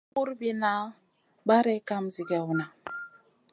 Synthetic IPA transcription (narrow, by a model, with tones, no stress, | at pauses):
u˦ɾbi˦na˦ | ba˦ɾɛ˦ka˦mzi˨ɡɛ˨wu˨na˨